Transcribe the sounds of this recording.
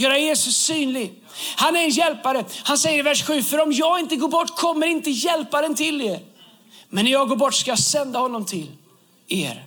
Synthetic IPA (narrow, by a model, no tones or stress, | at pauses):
jœːɾajeːsɵsːyːnlɪɡ | hanæɾɛnjɛlpaɾəhansɛjːəɾɪvæʂɧʉ̟ːfœɾɔmjɑːɡɪnt̪əɡoːbɔʈːkʰɔmːəɾɪnt̪əjɛlpaɾənt̪ʰɪlːeːɾ | mɛnːɾjɑːɡoːɾbɔʈːskajɑsɛnd̪ahɔnːɔmt̪ʰɪl | ḛːɾ